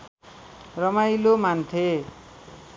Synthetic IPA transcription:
rʌmajlomant̪ʰe

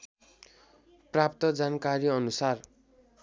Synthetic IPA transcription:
prap̚t̪ʌd͡zankaɾiʌnusar

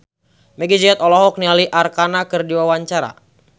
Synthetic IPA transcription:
mɛɡid͡ʒiɛt̪ɔlɔɦɔk̚nialiʔarkanakɨrdiwawaɲt͡ʃaɾa̰

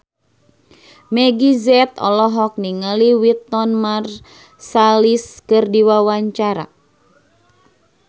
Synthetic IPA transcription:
mɛɡizɛt̪ɔ̰lɔɦɔk̚niŋaliwit̪ːɔnmar | saliskɨrdiwawaɲt͡ʃaɾa̰

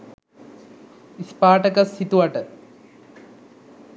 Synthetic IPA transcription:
ispaːʈɐkɐsit̪uwaʈːɐ

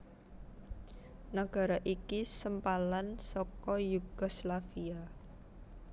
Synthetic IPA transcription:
naɡ̥a̤ɾaʔikisəmpalansɔkɔjuɡ̥ɔslafia

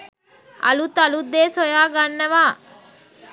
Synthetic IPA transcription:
ɐ̰lut̪ɐlud̪eːsɔjaːɡɐɳːɐʋaː

